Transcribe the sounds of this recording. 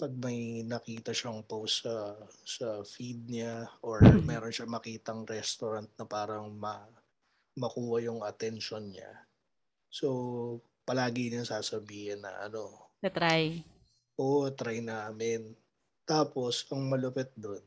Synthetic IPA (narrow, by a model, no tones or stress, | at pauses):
pɐɡ̚mɐjnɐkiːt̪ɐʃɐŋpowsɐsɐfid̪̚ɲaʔoɹmɛːɾonʃɐmɐkiːt̪ɐŋɾɛst̪oɾɐnt̪̚nɐpaːɾɐŋmɐ | mɐkuːhɐjʊŋɐt̪ɛnʃonɲa̰ | so | pɐlaːɡɪɲaŋsaːsɐbiːhɪnːɐ̰ʔɐ̰no̞sɐt̪ɾaj | ʔoʔt̪ɾajnaːmɪn | t̪aːpo̞sʔɐŋmɐlʊpɛt̪̚d̪on